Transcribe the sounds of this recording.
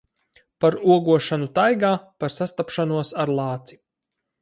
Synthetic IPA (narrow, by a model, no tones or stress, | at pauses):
paɾuɔɡuɔʃanut̪ajɡaːpaɾsast̪apʃanuɔsaɾlˠɑːt̪si̥